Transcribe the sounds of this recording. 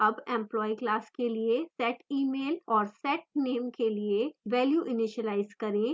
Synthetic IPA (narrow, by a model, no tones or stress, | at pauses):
ɐbɛ̃mplɔːiklaːskeliesɛːʈiːmeːlɔːɾsɛːʈ̚neːmkelieʋɛːljuːʔɪnɪʃəlaːɪzkɐɾẽː